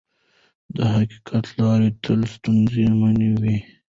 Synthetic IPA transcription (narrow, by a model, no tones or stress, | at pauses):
d̪əɦaki̥kʰat̪lɑːɾet̪ʰəlst̪unziməniwi